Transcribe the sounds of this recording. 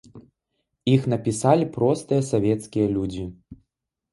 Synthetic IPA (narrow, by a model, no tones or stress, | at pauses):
ixnɐpʲisalʲipɾɔst̪ɨjɐsavʲɛt̪skʲijɐlʲud͡zʲi